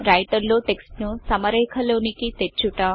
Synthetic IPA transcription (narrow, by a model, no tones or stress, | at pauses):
ɾɐjʈɐɾlo̞ːʈeksʈnusɐmɐɾɛːkʰɐloːnikit̪et͡ʃːuʈaː